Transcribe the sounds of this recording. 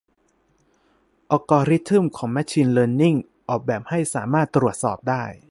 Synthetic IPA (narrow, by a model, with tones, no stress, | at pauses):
ʔɔː˧kɔː˧ɾi˦˥t̪ʰːɯ˥˩mkʰɔː˩˦ŋmɛ˦˥k̚t͡ɕʰiː˧nlɤː˧nːi˥˩ŋ | ʔɔː˨˩k̚bɛː˨˩p̚ha˥˩jsaː˩˦maː˥˩t̪ːɾu˨˩ət̪̚sɔː˨˩p̚daː˥˩j